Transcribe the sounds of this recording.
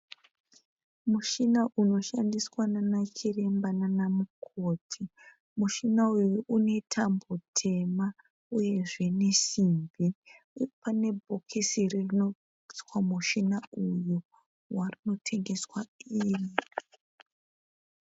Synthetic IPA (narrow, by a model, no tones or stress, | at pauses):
muʃinaʔuno̞ʃandiswananat͡ʃire̞mbananamukʰo̞ːtʰi | muʃinaujuʔune̞tʰambo̞tʰe̞ma | uje̞ʐe̞ne̞simbʱi | pane̞bʱokʰisiririno | iswamuʃinauju | warino̞tʰe̞ŋɡe̞swaiːri